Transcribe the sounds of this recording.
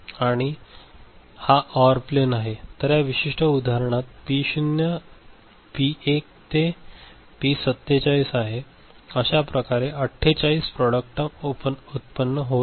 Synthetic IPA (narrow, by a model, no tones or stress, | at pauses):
aɽ̃i | haʔɔʋəɾplenaɦet̪əɾjaʋiɕiʂʈəud̪ʱaɾəɳ̃at̪̚piɕunjə | piek̚t̪e | pisət̪ːjet͡ɕaiːsaɦe | əɕapɾəkaɾeʔəʈʰːet͡ɕaiːspɾɔɽək̚ʈəpəut̪̚pənːəɦo